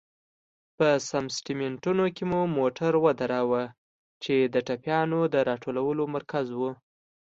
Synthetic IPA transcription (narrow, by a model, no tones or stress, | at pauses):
pəsamsʈimɪɳʈunokemumoʈaɾwəd̪aɾawa | t͡ʃed̪əʈapjɑnod̪əɾɑʈʰolawəlomaɾkazwu